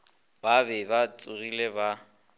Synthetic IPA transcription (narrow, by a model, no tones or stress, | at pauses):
babɛbat͡sʼʊrileba